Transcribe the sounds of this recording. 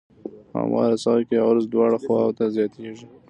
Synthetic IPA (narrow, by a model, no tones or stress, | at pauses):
a̰mɑ̰ɾasɑɾkejawaɾazd̪wɑɽaxwɑwt̪azjɑt̪ʰeʒi